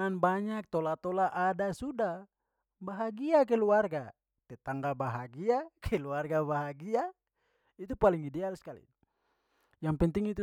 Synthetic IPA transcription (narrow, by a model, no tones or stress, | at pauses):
anbaɲak̚t̪olat̪olaʔadasuda | baɦaɡiak̬ɛluarɡa | t̪ɛt̪aŋɡabaɦaɡiakʰɛluarɡabaɦaɡia | it̪upaliŋidɛalskalḭ | jaŋpɛnt̪iŋit̪u